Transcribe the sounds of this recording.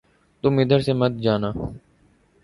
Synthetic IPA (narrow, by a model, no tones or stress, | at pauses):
t̪ʊmɪd̪ʱəɾseməd̪̚d͡ʒaːnaː